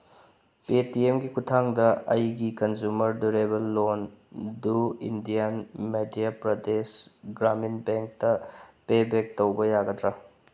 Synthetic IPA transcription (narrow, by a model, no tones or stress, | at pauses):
petiemɡikutʰaŋdɐɐjɡikɐnzumɐɾduɾebɐlːonduindijɐnmedijapɾɐdesɡɾaminbeŋk̚tɐpebek̚towbɐjaɡɐtɾɐ